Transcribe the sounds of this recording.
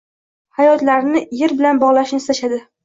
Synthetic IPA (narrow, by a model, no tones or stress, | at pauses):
hajɒt̪laɾnɪjeɾbɪlanbɒʁlˠaʃnɪst̪aʃad̪ɪ